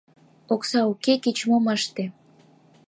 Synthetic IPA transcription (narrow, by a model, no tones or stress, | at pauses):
oksɑukekit͡ɕmoməʃt̪ĕ